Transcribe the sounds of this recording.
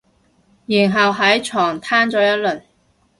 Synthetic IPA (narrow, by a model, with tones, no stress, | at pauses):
jiː˨˩nɦɐ˨wɦɐ˨˥jt͡ʃʰɔː˨˩ŋt̪ʰaː˥nt͡sɔː˨˧˥jɐ˥t̚lɵ˨˩ɥ